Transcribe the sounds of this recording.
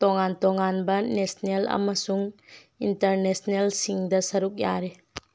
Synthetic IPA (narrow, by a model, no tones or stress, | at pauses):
toŋantoŋanbɐnesnelɐ̰mɐsuŋ | intɐɾnesnelsiŋdɐsɐɾuk̚ja̰ɾe